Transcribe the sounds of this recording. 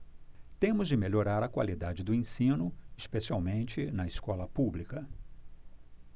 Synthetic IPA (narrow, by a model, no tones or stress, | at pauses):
t̪ẽmʊzd͡ʒɪmeʎoɾaɾɐkwa̰lid̪ad͡ʒɪd̪ʊẽsĩnʊispesiawmẽnt͡ʃɪnɐɪskɔlɐpublikɐ